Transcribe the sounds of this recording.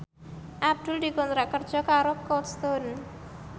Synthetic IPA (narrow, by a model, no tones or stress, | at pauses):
ʔab̚d̪̥ʊ̤ld̪i̤kɔnt̪ɾaʔkərd̥d͡ʒ̥ɔ̤kaɾɔkɔt̪st̪on